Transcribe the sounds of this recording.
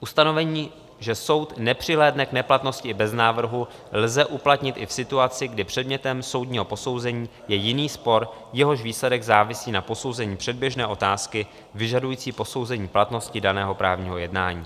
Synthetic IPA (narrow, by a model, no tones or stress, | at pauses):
ʔust̪ano̞vɛɲiː | ʒɛso̞wt̪nɛpr̝̥ɪlɛːdnɛknɛplat̪no̞scɪɪbɛznaːvr̩ɦu | lzɛʔuplat̪ɲɪt̪ʔɪfsɪt̪uat͡sɪɡdɪpr̥ɛdmɲɛt̪ɛmso̞wdɲiːɦo̞po̞so̞wzɛɲiːjɛjɪniːspo̞ɾjɛɦo̞ʃviːslɛdɛɡzaːvɪsiːnapo̞so̞wzɛɲiːpr̥ɛd̚bjɛʒnɛːʔo̞t̪aːskɪ | vɪʒadujiːt͡siːpo̞so̞wzɛɲiːplat̪no̞scɪdanɛːɦo̞pɾaːvɲiːɦo̞jɛdnaːɲḭː